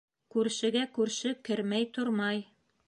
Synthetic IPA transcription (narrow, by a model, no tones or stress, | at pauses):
kʉɾʃɘ̆ɡækʉɾʃɘkɘ̆ɾmæjt̪oɾmɑj